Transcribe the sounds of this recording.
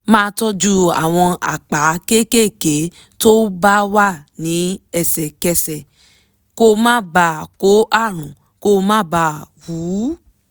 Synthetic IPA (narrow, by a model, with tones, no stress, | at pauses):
mãː˦˧tɔ˦d͡ʒu˦a̰˨w̃ɔ̃˧a̰˨k͡pa˨˦ke˦ke˦˨ke˨˦ | to˦ba˦wa˦˨nĩ˨˦ɛ˧˨sɛ˨kɛ˧sɛ˨ | ko˦˧mãː˦ba˧˨ko˨˦ʔa˦˨ɾ̃ũ˨ | ko˧mãː˦ba˦˨wu˨˦